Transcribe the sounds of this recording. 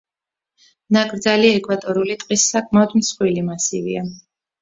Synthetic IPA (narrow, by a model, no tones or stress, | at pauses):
naɡɾd̪zaliɛkʰʼvat̪ʼɔɾulit̪ʼqʼisːakʼmaɔd̪msχwilimasḭvḭa